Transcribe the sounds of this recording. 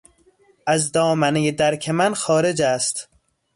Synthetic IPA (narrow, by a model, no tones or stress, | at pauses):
ʔæzd̪ɒːmænejed̪æɾkʰemænxɒːɾe̞d͡ʒæst̪